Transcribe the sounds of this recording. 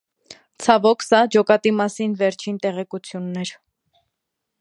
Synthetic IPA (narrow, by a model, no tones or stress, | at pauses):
t͡sʰɑvɔkʰsɑd͡ʒɔkɑt̪imɑsinvɛɾt͡ʃʰint̪ɛʁɛkut͡sʰjunːɛɾ